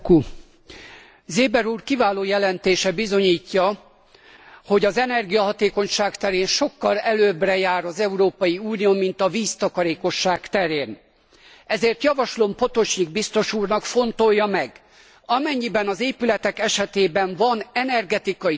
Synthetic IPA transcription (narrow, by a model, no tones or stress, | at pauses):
ku | zeːbɛɾuːrkivaːloːjɛlɛnt̪eːʃɛbizo̞ɲiːcːɒ | ho̞ɟɒzɛnɛrɡijɒɦɒt̪eːko̞ɲʃaːkt̪ɛɾeːnʃo̞kːɒlɛløːbrɛjaːɾɒzɛuɾoːpɒjiuːnioːmint̪ɒviːst̪ɒkɒɾeːko̞ʃːaːkt̪ɛɾeːn | ɛzeːrt̪jɒvɒʃlo̞mpo̞t̪o̞t͡ʃɲiɡ̚bist̪o̞ʃuːrnɒkfo̞nt̪o̞jːɒmɛɡ | ɒmɛɲːibɛnɒzeːpylɛt̪ɛkɛʃɛt̪eːbɛɱvɒnɛnɛrɡɛt̪ikɒ